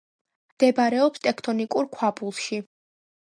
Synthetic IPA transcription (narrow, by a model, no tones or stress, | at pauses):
md̪̥ɛbaɾɛɔpst̪ʼɛkʰt̪ʰɔnikʼuɾkʰwabulˠʃi